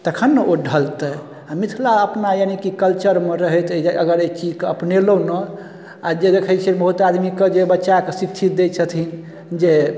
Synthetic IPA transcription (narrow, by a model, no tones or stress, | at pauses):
t̪əkʰənːeʔoɖʱəlt̪ə | amit̪ʰlaəpnajanikikəlt͡ʃəɾmeɾəɦɛt̪d͡ʒʔəɡəɾet͡ʃid͡ʒkeəpnelonə | a̰d͡ʒed̪ekʰɛjt͡ʃʰebəɦut̪ad̪miked͡ʒebətːʃakesikt͡ʃʰit̪̚d̪et͡ʃʰət̪ʰin | d͡ʒe